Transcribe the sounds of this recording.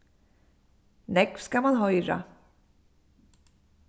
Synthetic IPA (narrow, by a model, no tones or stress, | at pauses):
nɛkfskamanɦœjɾa̰